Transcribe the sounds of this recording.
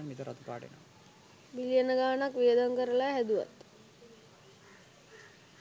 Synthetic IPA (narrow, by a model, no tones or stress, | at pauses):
nmit̪əɾa̰t̪əpa̰ːʈḛno̰ʋ | bilijənəɡaːnakʋijəd̪aŋkəɾəlaɦæd̪uʋa̰t̪